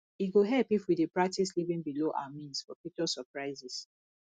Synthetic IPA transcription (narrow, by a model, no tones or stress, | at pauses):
iɡoɦɛlpifwidepɹak̚tʰislivĩŋbiloʔa̰wamĩnsfɔfit͡ʃɔsɔpɹaɪzis